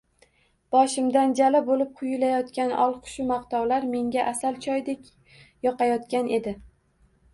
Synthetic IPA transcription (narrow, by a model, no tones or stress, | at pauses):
b̥ɒʃɪmd̪and͡ʒalɪbolɪp̚qʰʊjʊlajɒt̪kʲanʔɒlˠqʰʊ̥ʃʊmaqt̪ɒwlaɾme̞ŋɡʲaʔasalt͡ʃʰɒjd̪ekʲ | jɒqɑjɒt̪̚kʲanʔe̞d̪ɪ